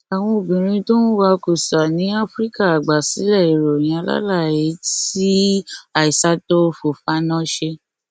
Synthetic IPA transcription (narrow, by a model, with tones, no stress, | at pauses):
a˨w̃ɔ̃˧o˨bĩ˨ɾ̃ĩ˧to˦nũ˦wa˧ku˨sa˨nĩ˨˦a˦fɾi˦ka˦˨a˨ɡ͡ba˨si˨˦lɛ˦˨i˨ɾo˨j̃ã˧˦la̰˦la˦˨je˨˦ti˦a˨i˨sa˨˦to˦fo˨fa˦nã˦ʃe˧